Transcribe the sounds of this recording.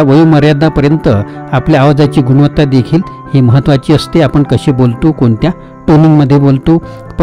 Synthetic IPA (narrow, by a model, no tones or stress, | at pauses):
aʋəjuməɾjad̪apəɾjənt̪əapljaaʋd͡zat͡ɕiːɡuɽʋət̪ːad̪ekʰiːl | heməɦət̪ːʋat͡ɕiːəst̪eapəɳkəɕebolt̪ukoɳt̪ja | ʈuniŋɡməd̪ʱːjebolt̪u | p